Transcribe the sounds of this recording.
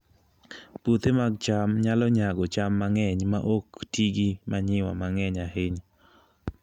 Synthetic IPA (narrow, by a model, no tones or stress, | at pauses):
put̪emaɡt͡ʃamɲalɔɲaɡɔt͡ʃamːaŋɛɲma̰ʔoktiɡimaɲɪwa̰maŋɛɲaheɲ